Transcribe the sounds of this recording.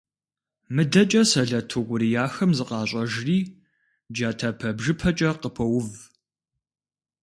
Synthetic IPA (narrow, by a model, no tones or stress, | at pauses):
mɨdɐt͡ʃʼɐsɐɮɐtʰuʁʷʊɾijaːxɐmzɨqʼɑːɕʼɐʒriː | d͡ʒaːtʰɐpʰɐbʒɨpʰɐt͡ʃʼɐqəpʰɐwʊv